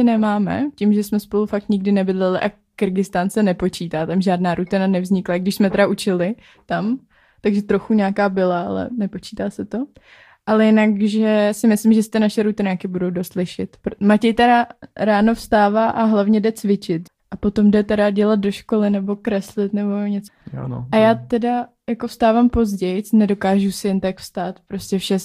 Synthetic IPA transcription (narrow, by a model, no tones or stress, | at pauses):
ɪnɛmaːmɛ̰cimʒɛsmɛspo̞lufak̚t̪ɲɪɡdɪnɛbɪdlɛlɪʔa | kɪɾɡɪst̪aːnsɛnɛpo̞t͡ʃiːt̪aːt̪amʒaːdnaːɾut̪ɪnanɛvzɲɪklaɪɡdɪʃsmɛt̪ɛɾaʔut͡ʃɪlɪ | t̪am | t̪aɡʒɛt̪ɾo̞xuɲaːkaːbɪlaʔa̰lɛ̰nɛpo̞t͡ʃiːt̪aːsɛt̪o̞ | ʔalɛjɪnakʒɛsɪmɪslɪmʒɛsɪt̪ɪnaʃɛɾut̪ɪnaːkɪbudo̞wdost̪lɪʃɪt̪pɾmacɛjt̪ɛɾaɾaːno̞fst̪aːvaːʔaɦlavɲɛdɛt͡svɪt͡ʃɪt̪ | ʔapo̞t̪o̞mdɛt̪ɛɾaɟɛlat̪̚do̞ʃkolɪnɛbo̞kɾɛslɪt̪nɛbo̞ɲɛt͡sa̰ʔajaːt̪ɛda | jakofst̪aːvaːmpo̞zɟɛjnɛdo̞kaːʒusɪjɛnt̪akfst̪aːt̪pɾo̞scʲɛfʃɛ